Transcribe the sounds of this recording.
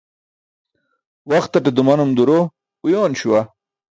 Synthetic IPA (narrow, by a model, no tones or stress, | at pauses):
waxt̪ːaʈed̪umanumd̪uɾo | ujoːnɕuwa